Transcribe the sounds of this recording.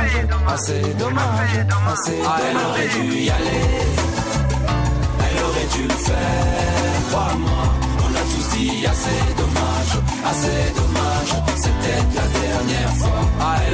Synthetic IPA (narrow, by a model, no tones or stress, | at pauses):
d̪ɔma | ʒa | ɛlɔʁɛd̪y | ale | ɛlɔʁɛd̪yləfɛʁt̪wamwa | ɔ̃nat̪usi | ased̪ɔma | ʒ | ased̪ɔmaʒ | sɛt̪ɛt̪lad̪ɛʁnjɛʁfwaɛ